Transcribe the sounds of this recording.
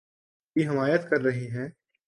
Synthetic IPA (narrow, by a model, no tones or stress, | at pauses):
iɦɪmaːjət̪kɐɾːɐɦiɦɛ̃ː